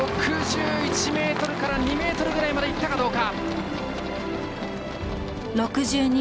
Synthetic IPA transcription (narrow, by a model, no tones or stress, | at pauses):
okʰɯd͡ʑiit͡ɕʰimet̪ʌɾɯkʰaɾanimet̪ʰʌɾɯɡeɾaemaɾait̪ʰːaɣad̪okap̚ | lʌkʰɯd͡ʑiɯni